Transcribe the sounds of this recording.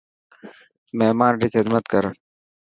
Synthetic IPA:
meɦmaːnɖikxɪd̪mət̪kɐɾ

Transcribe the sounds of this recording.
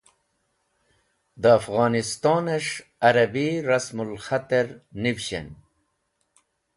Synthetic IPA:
d̪əːfɣɑːnist̪ɑːneʂɐɾɐbiɾɐsmulxat̪eɾnivɕḛn

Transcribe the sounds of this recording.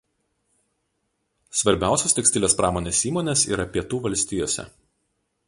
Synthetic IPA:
sʋɐɾʲbʲæˑʊsʲoːst̪ʲɛksʲt̪ʲɪlʲeːspɾɑːmoːnʲeːsiːmoːnʲeːsḭːɾɐpʲiɛt̪uːʋɐlʲsʲt̪ʲɪːjoːsʲɛ̰

